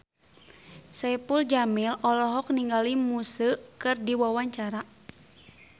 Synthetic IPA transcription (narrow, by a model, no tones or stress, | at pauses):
sɛpuld͡ʒamilɔlɔɦɔk̚niŋɡalimusəkɨrdiwawaɲt͡ʃaɾa